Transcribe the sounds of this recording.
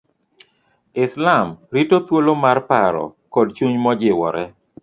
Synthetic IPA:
ɪslamɾitot̪wolomarpaɾɔ̰kɔd̚t͡ʃuɲmɔd͡ʒɪwɔ̰ɾɛ

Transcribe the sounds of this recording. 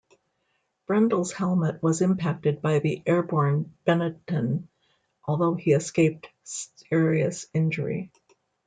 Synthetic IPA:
b̥ɹɛ̃ndl̩ˠz̥hɛlˠmɨt̚wʌzɨ̃mpʰæk̚tɨd̚baɪðiʔɛɹbɔɹnb̥ɛnɨtɨ̃n | ʔɔlˠðoʊiɨskeɪp̚tsɪɹiɨsɪ̃nd͡ʒə˞ḭ

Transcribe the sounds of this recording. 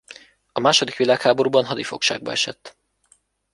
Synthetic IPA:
ɒmaːʃo̞d̪ikʋilaːkhaːbo̞ɾuːbɒnɦɒd̪ifo̞̰kʃa̰ːɡ̚bɒ̰ɛʃɛt̪ː

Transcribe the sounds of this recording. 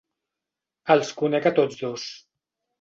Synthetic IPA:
əlˠskunɛkat̪od͡zðos

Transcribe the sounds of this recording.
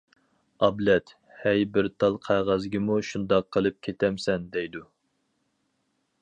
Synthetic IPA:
ɑblɛt̪ | hɛjbɪɾt̪ʰɑlˠqʰæʁæzɡʲimuʃund̪ɑqʰːəlˠɨp̚kʲʰet̪ʰɛmsɛnd̪ɛjd̪u

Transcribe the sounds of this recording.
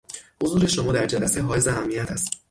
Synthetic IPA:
hozuːɾe̞ʃo̞mɒːd̪æɾd͡ʒælæseɦɒːjezehæmːijæt̪ʰæst̪

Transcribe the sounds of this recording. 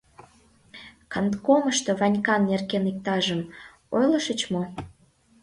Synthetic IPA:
kɑnt̪koməʃt̪oβɑnʲkɑnːerkenik̚t̪ɑʒəm | ojləʃət͡ɕmo

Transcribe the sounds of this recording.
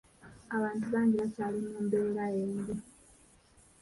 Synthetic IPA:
aβaːntuβaːɲɡiβacaːlimuːmbeːɾajeːɲdi

